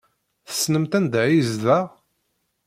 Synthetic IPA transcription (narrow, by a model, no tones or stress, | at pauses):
θə̥snəmt̪ænd̪ʕizðæʁ